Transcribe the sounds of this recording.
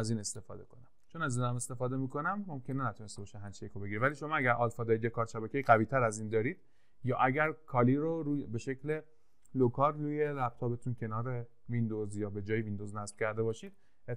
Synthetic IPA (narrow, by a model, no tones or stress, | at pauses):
æziːne̞st̪e̞fɒ̰ːd̪e̞̰kʰo̞næmt͡ʃʰonæzinæme̞st̪e̞fɒːd̪emiko̞næmːo̞mcʰe̞nenæt̪ʰunest̪ebɒːʃiɦæmt͡ʃʰiekʰobe̞ɡiɾevæliːʃomɒːæɟæɾʔɒːlfɒːd̪ɒːɾid̪jekʰɒːɾʃæbæcejiɣæviːt̪ʰæɾæziːnd̪ɒːɾid̪̥ | jɒːʔæɟæɾkʰɒːliɾoɾube̞ʃe̞cʰle̞ | lokʰɒːɾːuːjelæb̥̚t̪ʰɒːbe̞t̪ʰuːncʰe̞nɒːɾe̞ | vind̪ozjɒːbe̞d͡ʒɒːjevind̪oznæsb̥cʰʲæɾd̪e̞bɒːʃiːd̪̥̚ | e